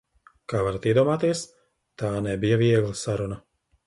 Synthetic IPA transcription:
kaːvaɾat̪iɛd̪uɔmaːt̪iɛs | t̪aːnɛbijaviɛɡlˠɐsaɾuna

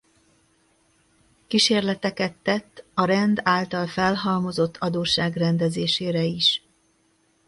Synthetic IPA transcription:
kiʃeːrlɛt̪ɛkɛt̪ːɛt̪ːɒɾɛnd̪aːlt̪ɒlfɛlɦɒlmo̞zo̞t̪ʰːɒd̪oːʃaːɡrɛnd̪ɛzeːʃeːɾɛiʃ

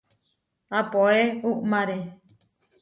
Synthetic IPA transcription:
apoeuʔmãɾe

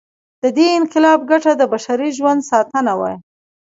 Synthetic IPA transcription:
d̪̥əd̪eɪnqɪlɑb̚ɡaʈad̪əbaʃaɾiʒwand̪sɑt̪ənawɑ̰j

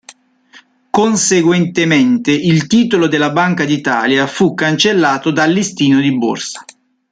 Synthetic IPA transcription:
konseɡwɛnt̪ement̪eʔilt̪iːt̪olod̪elːabaŋkad̪it̪a̰ːljafukːant͡ʃelːaːt̪od̪alːist̪iːnod̪ibo̰rsḁ

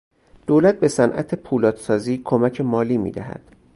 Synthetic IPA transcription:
d̪̥oːlæt̪̚be̞sænʔæ̰t̪ʰepʰuːlɒːt̪sɒːziːkʰomæcʰe̞mɒːliːmḭːd̪æɦæ̰d̪̥

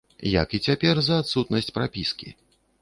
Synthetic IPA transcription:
jɐ̰kit͡sʲapʲɛrzɐːt̪sut̪nɐsʲt͡sʲpɾapʲiskʲḭ

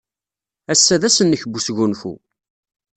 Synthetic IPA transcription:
æsːæðæsənːəçəbːusʝunfṵ

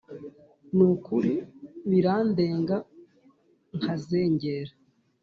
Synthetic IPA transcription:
nukuɾiβiɾaːndeːŋɡa | ŋhazeːɲɟeːɾa

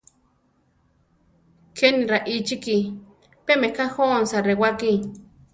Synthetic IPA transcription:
kʰeniɾaʔit͡ʃiki | pemekahonsaɾewaki

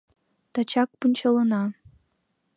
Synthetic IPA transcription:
t̪ɑt͡ɕɑk̚punʲt͡ɕɤ̆lˠɤ̆nɑ

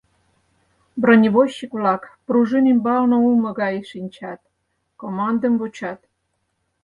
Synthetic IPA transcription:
bronʲiβoɕːikβlɑkpruʒɨmimbɑlnŏulmɤ̆ɣɑjʃinʲt͡ɕɑt̪ | komɑnd̪əmbot͡ɕɑt̪

